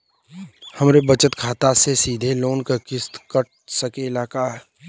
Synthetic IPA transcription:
hɐmɾebət͡ʃət̪kʰaːt̪asesiːd̪ʱeloːnkakɪst̪kəɾ | səkeɪlaːkaɦɛ

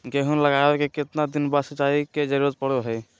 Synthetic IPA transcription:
ɡeɦunləɡaʋekekɪt̪nad̪inbasət͡ʃaiked͡ʒəɾuɾət̪̚pəɽoɦɛj

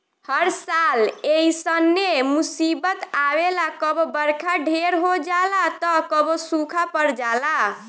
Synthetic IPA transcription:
həɾsaleisənːemusibət̪awelakəbobəɾkʰaɖʱeɾɦod͡ʒalat̪ɔkəbosukʰapəɾd͡ʒala

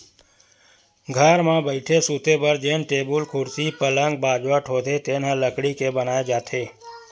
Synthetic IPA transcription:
ɡʱəɾmãbəɪʈʰesuːt̪ebəɾd͡ʒeːnʈeːbʊlkʰʊɾsipələ̃ŋɡ̚baːd͡ʒʋəʈʰɦoːt̪et̪eːnãləkɽikebənaːed͡ʒaːt̪ʰeː

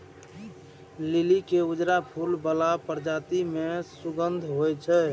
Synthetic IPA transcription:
lilikeud͡ʒɾapʰulbəlapəɾd͡ʒat̪imẽsuɡənd̪ʱɦojt͡ʃʰɛ

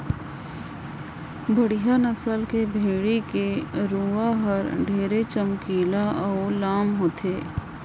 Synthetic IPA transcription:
bəɽijanəsəlkebʱeːɽikeɾuːaɦəɾɖʱeːɾet͡ʃəmkiːlaʔːlaːmɦoːt̪ʰeː

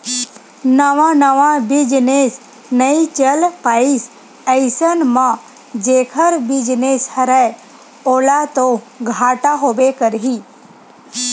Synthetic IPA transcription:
nəʋãnəʋãbɪd͡ʒnes | nəit͡ʃəlpais | əɪsənmã | d͡ʒeːkʰəɾbɪd͡ʒneshəɾəj | oːlat̪o | ɡʱaːʈaɦoːbekəɾɦi

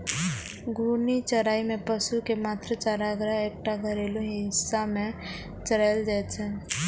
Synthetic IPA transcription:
ɡʱuːnit͡ʃəɾaːimẽpəsukemaːt̪ɾət͡ʃaːɾaɡɾəɦeːk̚ʈaɡʱəɾelõɦiɦɪsːamẽ | t͡ʃəɾald͡ʒaːt͡ʃʰɛ

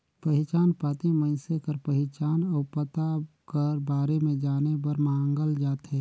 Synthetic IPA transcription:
pəɦɪt͡ʃaːnpat̪emə̃ɪsekəɾpəɦɪt͡ʃaːnɔːpət̪akəɾbaːɾemẽd͡ʒaːnebəɾmãːŋɡəld͡ʒaːt̪ɦɛ̃

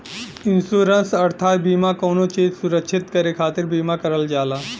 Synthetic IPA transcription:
ɪ̃nsuːɾənsɐɾt̪ʰaːt̪biːmakoːnot͡ʃeːzsʊɾəkʃʰɪt̪kɐɾekʰaːt̪ɪɾbiːmakɐɾəld͡ʒaːlaː

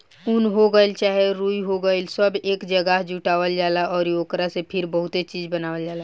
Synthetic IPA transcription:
ʊnɦoɡəɪlt͡ʃaːɦeɾuːiɦoɡəɪlsəbeːkd͡ʒəɡəɦd͡ʒuːʈaːʋəld͡ʒaːlaʔɔːɾjoːkɾasepʰɪɾbəɦʊt̪et͡ʃiːd͡ʒbənaːʋəld͡ʒaːla

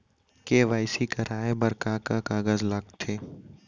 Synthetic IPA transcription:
keʋaːɪsikɐɾaːebɐɾkakakaːɡəzləɡt̪ʰeː

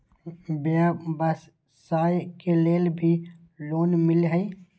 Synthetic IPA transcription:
babəs | saːjkeleːlbʱi | loːnmɪlɦəi

